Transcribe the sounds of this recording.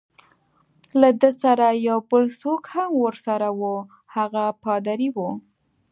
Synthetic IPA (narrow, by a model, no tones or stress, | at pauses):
lad̪əsaɾajawbəlsokhamwəɾsaɾawu | haɣapɑd̪aɾiwu